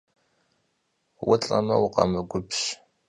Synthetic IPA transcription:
wʊt͡ɬʼɐmɐwʊqɑmɨɡʷʊpɕ

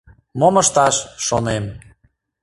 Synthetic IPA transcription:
moməʃt̪ɑʃːonem

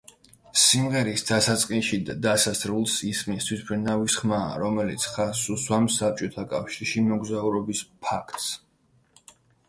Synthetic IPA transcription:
simʁɛɾisd̪̥asat̪sʼqʼinʃid̪ad̪asasɾulˠsismist̪ʰwispʰɾinavisχma̰ːɾɔmɛlit̪sʰχasuswamsap̚t͡ʃʼɔt̪ʰakʼafʃiɾʃimɔɡzauɾɔbispʰakʰt̪ʼs

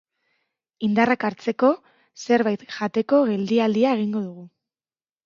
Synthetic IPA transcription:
ind̪arakaɾt͡se̞ko̞ | se̞ɾβajt̪ʝat̪e̞ko̞ɣe̞ld̪iald̪iae̞ɣ̞iŋɡo̞ð̞uɣ̞u

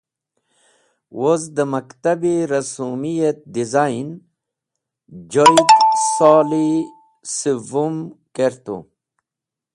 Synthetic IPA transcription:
wozd̪əmɐkt̪abiɾɐsumijet̪̚d̪izain | d͡ʑojt̪saːli | sivumkeɾt̪ṵ

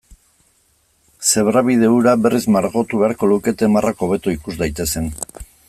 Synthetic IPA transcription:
se̞βɾaβið̞e̞uɾabe̞rizmaɾɣo̞t̪uβe̞aɾko̞luke̞t̪e̞marʔako̞β̞e̞t̪uikuzd̪ajt̪e̞se̞n

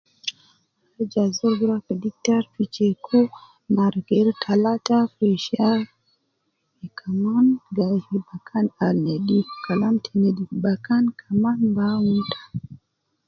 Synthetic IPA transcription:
aɾd͡ʒazɔɡɾakadik̚taɾfit͡ʃekʰo | maɾɡɛɾtʰalatafiʃa | ikʰamanɡahibakʰanalnedikalamtʰenedibakankʰamanbawutʰḁ

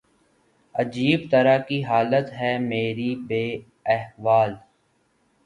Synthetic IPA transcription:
əd͡ʒiːbt̪əɾakiɦaːlət̪ɦɛmeːɾibeː | ɛɦʋaːl

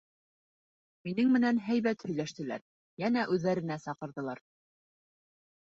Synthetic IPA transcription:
minɘŋmɘ̆nænɦæjβæt̪hɵ̆jlæʃt̪ɘ̆læ̰ɾ | jænæʔʉðːæɾɘ̆næsɑqɤ̆ɾðɤ̆lˠɑɾ

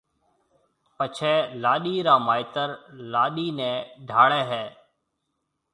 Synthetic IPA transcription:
pət͡ʃʰɛːlaːɗiːɾaːmaːɪt̪əɾlaːɗiːnɛ̃ːɖʱaːɽɛːɦɛː

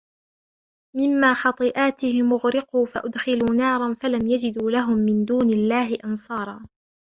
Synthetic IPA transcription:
mɪmːaːxɑt̪ˤɨʔaːt̪ɪhɪmʊɣɾɪquːfa̰ʔʊd̪xɪluːnɑːɾˤɑnfalamjad͡ʒɪd̪uːlaɦʊmːɪnd̪uːnalːaːɦɪʔɑnsˤɑːɾˤɑː

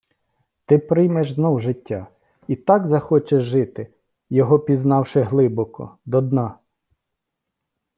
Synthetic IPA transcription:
t̪ɪpɾɪjmɛʒznɔwʒɪtʲːa | it̪ɑɡzɐxɔt͡ʃeʒʒɪt̪ɪ | jɔɦɔpʲiznɑwʃɪɦlˠɪbɔkɔ̰d̪ɔd̪nɑ

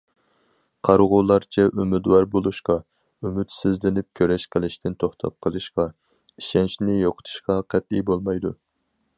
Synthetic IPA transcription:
qʰɑɾʁʊlˠɑɾt͡ʃʰɛʔymɪd̪wɑɾbolˠuʃqɑ | ymyt̪sɪzlɪnɪp̚kʲʰøɾɛʃqʰəlˠɪʃt̪ɪnt̪ʰoχt̪ʰɑ̰p̚qʰəlˠɨʃqɑ | iʃɛnʃnɪjoqʰə̥t̪ʰu̥ʃqɑqʰɛt̪̚ibolˠmɑjd̪ṵ

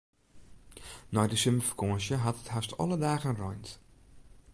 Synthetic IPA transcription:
nɔjdəsøməfə̥kʰoəsjəɦɑtəthastʰɔ̰lˠədaːɣənrɔjnt

